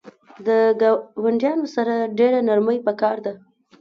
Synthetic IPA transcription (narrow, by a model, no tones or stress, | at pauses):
d̪əɡwaɳɖjɑnosaɾaɖeɾanaɾməjpəkɑɾd̪a